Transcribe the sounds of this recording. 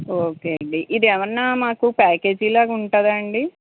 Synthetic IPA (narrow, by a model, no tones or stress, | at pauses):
oːkeːɐɳɖiʔid̪ɛʋɐɾɐnːaːmaːkupaːke̞ːd͡ʒilaːkuɳʈaːd̪ɐɳɖi